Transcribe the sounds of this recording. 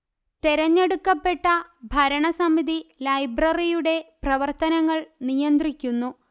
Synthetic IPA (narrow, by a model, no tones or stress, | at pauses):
t̪eɾɐɲːe̞ɽukːɐpːe̞ʈːɐbʱɐɾɐɳɐsɐmiðilɐjbrɐrijuɽe̞prɐʋɐrt̪ɐnɐŋːɐɭnijɐnd̪rikʲːunːu